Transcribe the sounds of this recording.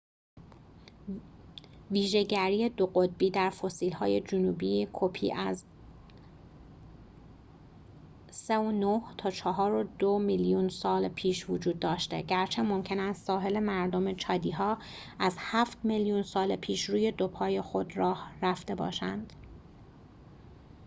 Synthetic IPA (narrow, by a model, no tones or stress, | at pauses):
viːʒe̞ɟæɾijed̪oɢo̞d̪̚biːd̪æɾfo̞siːlhɒːje̞d͡ʒonuːbiːkʰopʰḭːʔæz | seonoht̪ʰɒːt͡ʃʰɒɦɒːɾo̞d̪omiljunsɒːlpʰiːʃvod͡ʒuːd̪̚ːɒːʃt̪e̞̰ɟæɾt͡ʃʰe̞mo̞mcʰe̞næst̪sɒːɦe̞le̞mæɾd̪o̞me̞t͡ʃʰɒːd̪iːɦɒː | æzhæːft̪miljunsɒːlepʰiːʃɾuːje̞d̪o̞pʰɒːje̞xo̞d̪ɾɒːhræft̪e̞bɒ̰ːʃæ̰nd̪̥